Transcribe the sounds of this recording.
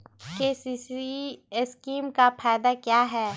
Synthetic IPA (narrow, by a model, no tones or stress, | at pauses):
keːsiːsiɪskiːmkafʰaːɪd̪akjaːɦɛː